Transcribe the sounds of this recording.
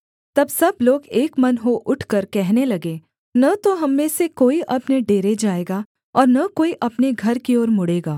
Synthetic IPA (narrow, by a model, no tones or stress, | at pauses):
t̪ɐbsɐbloːɡeːkmɐnɦoʔʊʈʰkəɾkɛɦnelɐɡeː | nɐt̪oɦɐmːẽsekoːiʔɐpneɖeːɾed͡ʒaːeːɡa | ɔːɾnɐkoːiʔɐpneɡʱɐɾkiɔːɾmʊɽeːɡaː